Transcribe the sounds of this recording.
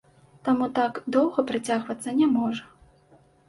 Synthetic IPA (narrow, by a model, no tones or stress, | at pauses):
t̪amut̪aɡd̪ɔwɣɐpɾat͡sʲaɣvɐt̪sːɐnʲamɔʐɐ